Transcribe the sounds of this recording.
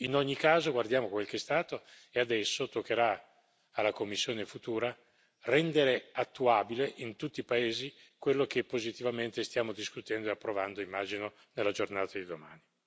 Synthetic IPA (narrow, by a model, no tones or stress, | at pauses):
inoɲːikaːzoɡward̪jaːmokwelkest̪aːt̪o | ead̪ɛsːot̪okːeɾaː | lːakomːisːjoːnefut̪uːɾa | rɛnd̪eɾeat̪ːuaːbileʔint̪ut̪ːipaeːzikwelːokepːozit̪ivament̪est̪jaːmod̪iskut̪ɛnd̪oeapːɾovand̪oimːaːd͡ʒino | nelːad͡ʒornaːt̪ad̪id̪oma̰ːni